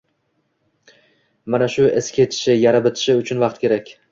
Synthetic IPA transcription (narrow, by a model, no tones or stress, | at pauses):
manaʃʊɪskʲʰe̞t͡ʃ̪ʰɪ̥ʃɪjaɾabɪt̪ʰɪ̥ʃɪʊt͡ʃʰʊnvɑqt̪̚kʲʰe̞ɾakʲ